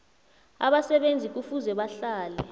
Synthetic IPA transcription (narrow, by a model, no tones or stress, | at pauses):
a̰ɓasɛɓend͡zʱik̬ufuzɛɓaɬaːlɛ